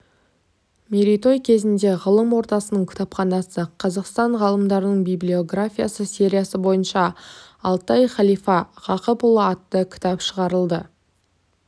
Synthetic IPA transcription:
meɾit̪o̞jkʲʰe̞zɪnd̪e̞ʁəlˠəmwo̞ɾt̪ɑsənəɴkʰʲɪ̥t̪ɑpχɑnɑsəqʰɑzɑqst̪ɑɴʁɑlˠəmd̪ɑɾənəɴbijblʲio̞ɡrafʲijasəsʲe̞ɾʲijasəbo̞jənʃɑː | lˠt̪ɑjχɑlˠijfɑʁɑqəpʊlˠəɑt̪ːəkʲʰɪ̥t̪ɑpʃəʁɑɾəlˠd̪ə

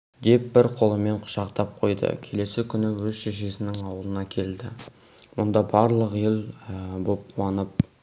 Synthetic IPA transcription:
d̪e̞p̚bɪɾqʰo̞lˠəme̞ɴqʰʊ̥ʃɑqt̪ɑp̚qʰo̞jd̪ə̰kʲʰe̞le̞sɪkʲʰʏnɪwɵzʃeʃ̬e̞sɪnɪŋɑwəlˠənɑkʲʰe̞ld̪ɪ | wʊnd̪ɑbɑɾlˠəqjelˠbo̞p̚uɑnəp̚

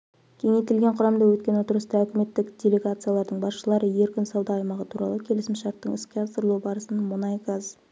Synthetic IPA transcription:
kʲʰe̞ŋe̞jt̪ɪlɡʲe̞ɴqʰʊɾɑmd̪ɑwɵt̪̚kʲe̞not̪əɾəst̪ɑɵkʲɪme̞t̪ːɪkdʲe̞lʲe̞ɡat̪sɨjalˠɑɾd̪əɴbɑsʃəlˠɑɾəje̞ɾkʲʏnsɑwd̪ɑːjmɑʁət̪ʰuɾɑ̰lˠəkʲʰe̞lɪsɪmʃɑɾt̪ːəɴɪskʲeɑsəɾlˠubɑɾəsənmʊnɑjɡaz

